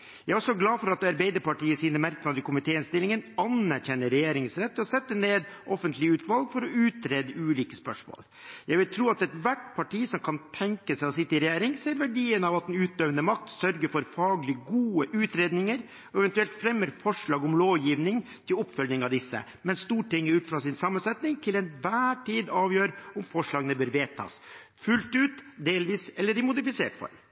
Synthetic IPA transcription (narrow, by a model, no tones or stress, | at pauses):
jæɡæɾɔsɔɡlɑːfɔɾɑt̪d̪ɑɾbeɪd̪əɾpɑʈiːəsiːnəmæɾknɑnəɾkʰʊmɪt̪ʰeːɪnst̪ɪlɪŋənɑnːæɾçɛnːəɾɛjeːɾɪŋsɾɛt̪ːɔsɛt̪ːəneːd̪ʔɔfənt̪lɪəʉːt̪ʋɑlɡfɔɾɔʉːt̪ɾeːd̪əʉːliːkəspœʂmo̰ːl | jæɪɡʋɪlt̪ʰɾuːɑt̪ɛt̪ʋæʈpʰɑʈiːsɔmkʰɑnt̪ʰɛŋkəsɛɪɔsɪt̪ːəɪɾɛjeːɾɪŋseːɾʋæɖiːənɑʋɑt̪̚d̪ɛnʉːt̪̚d̪œʋnəmɑkt̪sœɾɡəɾfɔɾfɑːɡlɪɡuːəʔʉːt̪ɾeːd̪nɪŋəɾ | ɔɛʋɛnt̪ʉɛlt̪fɾɛmːəɾfɔʂɭɑːɡʊmloːʋjiːʋnɪŋ | t̪ʰɪlɔpːfœlnɪŋɑʋd̪ɪsːə̰ | mɛnst̪uːʈɪŋːəɾʉːt̪fɾɑsɪnsɑmːənsɛt̪nɪŋt̪ʰɪlɛnʋæːʈiːd̪ɑːʋjøːɾʊmfɔʂɭɑːɡənəbøːɾʋeːt̪ʰɑ̰ːs | fʉlt̪ʉːt̪d̪eːlʋiːsɛlːəɖɪmʊd̪ɪfɪsḛːʈfɔ̰ɾ